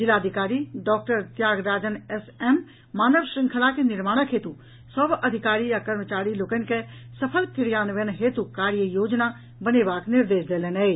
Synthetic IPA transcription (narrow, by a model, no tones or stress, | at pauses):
d͡ʒɪlaːd̪ʱɪkaːɾiɖɔːk̚ʈəɾt̪jaːɡɾaːd͡ʒənɛsɛm | maːnəʋʃɾɪ̃ŋkʰəlakenɪɾmaːɽ̃əkʰɦeːt̪u | səbɐd̪ʱɪkaːɾijakəɾmət͡ʃaːɾiloːkənkesɐpʰəlkɪɾjaːnʋenɦeːt̪ukaːɾjəjoːd͡ʒna | bənebaːknɪɾd̪eːʃd̪eːlenɦɛ